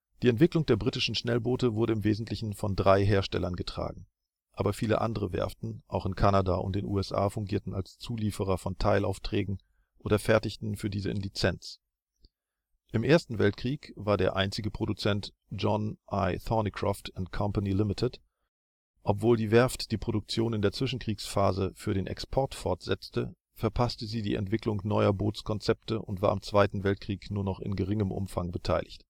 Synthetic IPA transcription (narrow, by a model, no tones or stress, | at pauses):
d̥iːɛntv̥ɪklʊŋd̥eːɐbʁitɪʃn̩ʃnɛlboːtəvʊɐɾəɪmveːzn̩tlɪçn̩fɔndʁaɪɦeːɐʃtɛ̰lɐnɡətʁ̥a̰ːɡŋ̩ | ʔaːbɐfiːlə̰ʔa̰ndəʁəvɛ̰ɐftn̩ʔa̰ʊxɪnkʰanadaʔʊ̰nt̚d̥eːnṵːɛsʔa̰ːfʊŋɡiːɐtn̩alst͡suːliːfəʁɐfɔntʰaɪla̰ʊftʁ̥ɛːɡŋ̩ | ʔoːdɐfɛɐtɪçtn̩fyːɐdiːzəɪ̰nlit͡sɛnt͡s | ʔɪmʔeːɐstn̩vɛltkʁ̥iːkv̥aːɐdeːɐʔaɪnt͡sɪɡəpʁ̥odut͡sɛnt | d͡ʒɔnʔaɪθɔnikʁ̥a̰ːftɛntkʰɔmpanilɪmɪtʰɪt | ʔɔpv̥oːldiːvɛɐftd̥iːpʁ̥odʊk̚t͡sjoːnɪndeːɐt͡sv̥ɪʃn̩kʁ̥iːksfaːzəfyːɐɾeːnʔɛ̰kspʰɔɐtfɔɐtz̥ɛt͡stə | fɛɐpʰastəziːdiːʔɛ̰ntv̥ɪklʊŋnɔʏɐboːt͡skʰɔnt͡sɛp̚təʔʊntv̥a̰ːɐɪmt͡sv̥aɪtn̩vɛlt̚kʁ̥iːknuːɐnɔχɪ̰nɡəʁɪŋəmʔʊ̰mfa̰ŋbətʰa̰ɪlɪçt